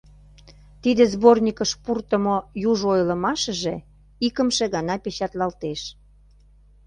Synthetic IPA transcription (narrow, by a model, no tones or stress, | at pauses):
t̪id̪ĕzbornʲikəʃpurt̪ə̆mojuʒojlə̆mɑʃə̆ʒe | ikəmʃĕɣɑnɑpet͡ɕɑt̪lɑlt̪eʃ